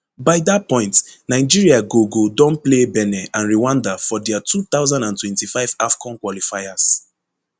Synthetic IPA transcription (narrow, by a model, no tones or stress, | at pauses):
baɪdat̚pɔ̃ɪ̃ntnaɪd͡ʒiɹiaɡoɡodɔ̃nplebɛnɛʔãnɹiwãndafɔdɛatut̪aʊwzãndãntwɛ̃ntifaɪvafkʰɔ̃nkwɔlifajas